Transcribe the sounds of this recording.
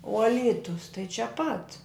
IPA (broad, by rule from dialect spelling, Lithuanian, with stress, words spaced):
oː ɐ ˈlʲiːtʊs tɐɪ t͡ʃʲɛ pɐt